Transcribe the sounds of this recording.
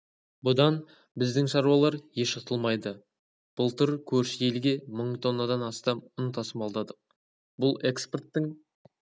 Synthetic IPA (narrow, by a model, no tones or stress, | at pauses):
bʊd̪ɑn | bɪzd̪ɪŋʃɑɾuwɑlˠɑɾje̞ʃɑt̪ʰəlˠmɑjd̪ə | b̥ʊlˠt̪ʊɾkʲʰɵɾsɪje̞lɡʲe̞məɴt̪ʰo̞nːəd̪ɑnɑst̪ɑmʊnt̪ʰɑsəmɑlˠd̪ɑd̪ə | bʊlˠe̞kspert̪ːɪŋ